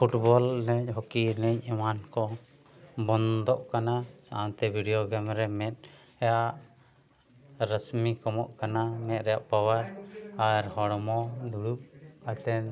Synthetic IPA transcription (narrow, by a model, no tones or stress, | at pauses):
pʰuʈbɔlnəɲɦɔkinɛɲɛmankɔ | bɔnd̪ɔʔkanasaʔant̪ɛbʱiɖijoɡɛmɾɛmɛt̪̚ˀ | ɛjaʔ | ɾəsmikɔmɔʔkanamɛt̪̚ɾɛjaʔpawaɾaɾhɔɽɔmɔd̪uɽup̚at̪ɛn